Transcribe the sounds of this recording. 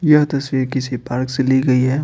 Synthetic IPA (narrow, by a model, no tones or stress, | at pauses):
jɐɦt̪ɐsʋiːɾkɪsipaːɾkseliɡɐiɦɛː